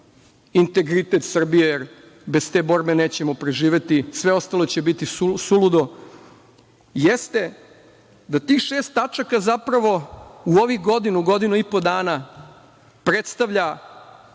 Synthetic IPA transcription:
int̪e̞ɡɾit̪e̞t̪sr̩bijejeɾ | be̞st̪ebo̞ɾbe̞ne̞ːt͡ɕe̞mo̞pɾeʒiːʋe̞t̪isʋe̞o̞st̪alo̞t͡ɕebit̪iusulud̪o̞ | jest̪e̞ | d̪at̪iːxʃeːst̪at͡ʃakazapɾaʋo̞uo̞ʋiɡo̞d̪inuɡo̞d̪inuipo̞d̪aːna | pɾe̞t̪st̪aʋʎa

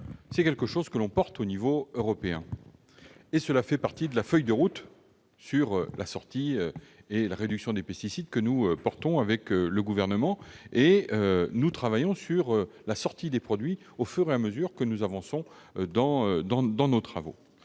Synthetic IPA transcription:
sɛkɛlkəʃozkəlɔ̃pɔʁt̪onivoøʁɔpeɛ̃ | esəlafɛpaʁt̪id̪əlafœjd̪əʁut̪ | syʁølʔasɔʁt̪iøelaʁed̪yksjɔ̃d̪epɛst̪isid̪kənuøpɔʁt̪ɔ̃avɛkøləɡuvɛʁnəmɑ̃eønut̪χavajɔ̃syʁølasɔʁt̪id̪epχɔd̪ɥi | ofyʁeaməzyʁkənuzavɑ̃sɔ̃d̪ɑ̃ød̪ɑ̃d̪ɑ̃not̪χavo̰

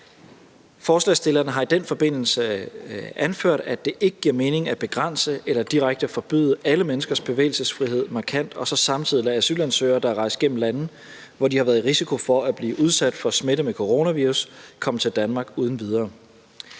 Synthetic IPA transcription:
fɒːslɛsd̥e̝lɐnəɦɑ̈id̥enfɒ̽b̥e̝n̰l̩sə | ʔænføɐ̰d̥æd̥e̝ʔe̝ɡ̥əɡ̥iɐ̰me̝ːne̝ŋæb̥e̝ɡ̥ʁɑn̰səelɐd̥iʁaɡ̥̚d̥əæfɒ̽b̥y̰ːðˠəʔæləmenəsɡ̥ɐsb̥e̝ʋḛːɪlsəsfʁiɦe̝ð̰ˠmɑ̈kʰæn̰d̥ɒ̽sɒ̽sɑ̈mt͡sʰiðˠiææsy̰lænsø̰ːɐd̥ɑæʁɑ̈ɪsd̥ɡ̥em̰m̩lænð̩ˠ | ʋɒdihɑ̈ʋæɐð̩ˠʁisikʰo̝fɒ̽æb̥liːʔuð̞ˠsæd̥fɒ̽smeɾəmekʰo̝ʁo̝næʋiːʁuskʰɒ̽m̰ət͡sʰe̝ld̥ænmɑ̈ːɡ̥uːð̞ˠn̩ʋið̞ˠɐː

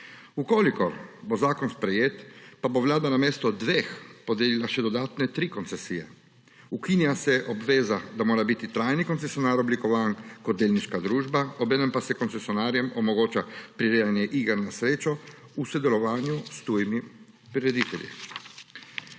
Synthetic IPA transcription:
ukoːlikɔɾbozaːkɔnspɾɛjeːt̪paboʋlaːd̪anameːst̪ɔd̪ʋeːxpod̪eːlilaʃɛd̪ɔd̪aːt̪nɛt̪ɾikont̪sɛsijɛ | ukinjasɛʔɔbʋeːzad̪amoːɾabit̪it̪ɾajnikonsesijonaːɾɔblikɔʋaːnkɔd̪̚d̪eːlniʃkad̪ɾuːʒbaobɛːnɛmpasɛkɔnt̪sesjɔnaːɾjɛmɔmɔɡoːt͡ʃapɾiɾed̪anjɛʔiɡəɾnasɾeːt͡ʃɔ | usod̪ɛlɔʋaːnjust̪uːjimi | pɾiɾɛd̪it̪ɛlʲjḭ

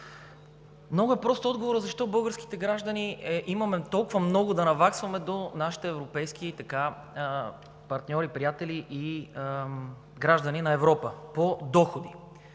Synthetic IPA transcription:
mnɔɡʊɛpɾɔst̪oɔd̪ɡovoɾəzɐʃt̪ɔbɤlˠɡəɾski̥t̪ɛɡɾaʒd̪ɐniʔimɐmɛt̪ɔlˠkʊvɐmnɔɡʊd̪ɐnɐvaksvɐmɛd̪onaʃi̥t̪ɛɛvɾopɛjsk̟iit̪ɐka | pɐɾt̪nʲɔɾipɾijat̪ɛliʔi | ɡɾaʒd̪əninɐɛvɾɔpəpod̪ɔxod̪i

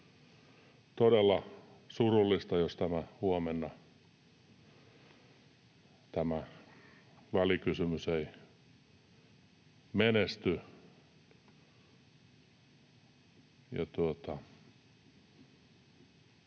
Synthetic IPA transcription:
t̪odelːɑsurulːist̪ɑjost̪æmæhuomenːɑ | t̪æmæ | ʋælikysymysei | menest̪y | jɑ̰t̪uot̪ɑ

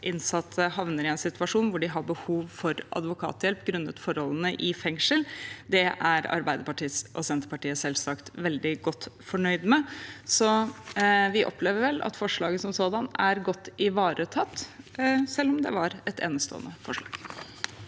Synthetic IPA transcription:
ʔɪnsɑt̪ʰːəhɑʋnəɾɪɛnsɪt̪ʋɑʂuːnʋʊɖɪɦɑbəhuːʋfɔɾʔɑ̰d̪ʋʊkʰɑ̰ːt̪jɛlpːɡɾʉnːət̪fɔɾhɔlənəʔɪfɛŋʂəld̪ɛʔæɾɑ̰ɾbæɪd̪əpɑʈʰiːsʔɔsɛnt̪əɾpɑʈiːəsɛlsɑkt̪ʋɛld̪ɪɡɔt̪ːfɔɳœʏd̪mɛsɔ | ʋɪʔɔ̰pleːʋəɾʋɛlʔɑ̰t̪fɔʂɭɑːɡəsɔmsoːd̪ɑnæɾɡɔt̪ːɪʋɑːɾʔət̪ʰɑt̪ːsɛlːɔmd̪ɛ̰ʋɑɾɛt̪ʰḛːnəst̪o̰ːə̰nəfɔʂɭɑ̰ːɡ̥

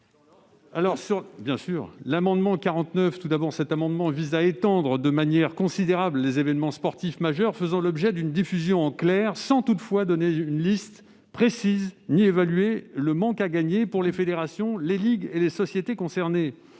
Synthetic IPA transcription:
alɔʁsyʁbjɛ̃syːʁlamɑ̃d̪mɑ̃kaʁɑ̃t̪nœft̪ud̪abɔʁsɛt̪amɑ̃d̪mɑ̃vizaet̪ɑ̃d̪ʁəd̪əmanjɛʁkɔ̃sid̪eʁabllezevɛnmɑ̃spɔʁt̪ifmaʒœʁfəzɑ̃lɔbʒɛd̪ynd̪ifyzjɔ̃ɑ̃klɛʁsɑ̃t̪ut̪fwad̪ɔneynlist̪ | pχesiznievalɥeləmɑ̃kaɡaɲepuʁlefed̪eʁasjɔ̃leliɡelesɔsjet̪ekɔ̃sɛʁne

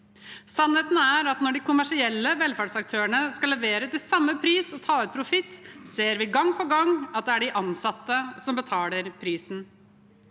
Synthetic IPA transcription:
sɑnheːt̪n̩æɾɑt̪nɔɖɪkʊmæʂɪɛlːəʋɛlfæːɖsɑk̚t̪ʰøːəɳəskɑlːɛʋeːɾət̪ɪlsɑmːəpʰɾiːsɔt̪ʰɑːʉt̪̚pʰɾʊfɪt̪ːseːɾʋɪɡɑŋːpʰɔɡɑŋːɑt̪̚d̪ɛæɖɪʔɑnsɑt̪ːəsɔmbət̪ʰɑːləɾpʰɾiːsn̩

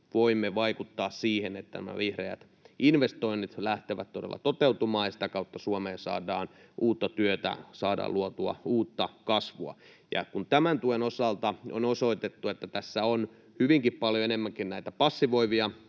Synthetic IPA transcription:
ʋoimːeʋɑikut̪ːɑːssiːhenet̪ːæ̰næmæ̰ʋihreæ̰t̪ | inʋest̪o̞inːit̪læht̪eʋæt̪t̪odelːɑ̰t̪ot̪eut̪umɑːjɑsi̥t̪ækɑut̪ːɑsuomeːnsɑ̰ːdɑːnʔuːt̪ːɑt̪yøt̪æ̰sɑːdɑ̰ːluot̪uɑ̰uːt̪ːɑkɑsʋuɑ̰ | jɑ̰kunt̪æmænt̪uenosɑlt̪ɑo̰nosoit̪et̪ːuet̪ːæt̪æsːæon | hyʋiŋkippɑljoenemːæŋkinnæit̪æpɑsːiʋo̞iʋiɑ

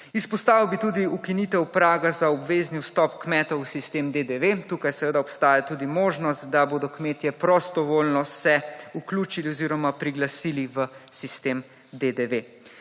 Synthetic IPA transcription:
ispɔst̪aːʋiwbit̪uːd̪iukiniːt̪ɛwpɾaːɡazaɔbʋeːzniwst̪ɔpkmɛːt̪ɔusist̪eːmd̪ed̪eʋet̪uːkajsɛʋeːd̪aɔpst̪aːjat̪uːd̪imoːʒnɔst̪̚d̪aboːd̪ɔkmeːt̪jɛpɾɔst̪ɔʋoːlnɔsɛukluːt͡ʃiliɔziːɾɔmapɾiɡlasiːliʋəsist̪em | d̪ed̪eʋe

